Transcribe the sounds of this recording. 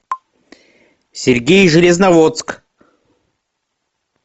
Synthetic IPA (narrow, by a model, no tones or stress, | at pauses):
sʲerʲɡʲejʒɨlʲeznavot̪sk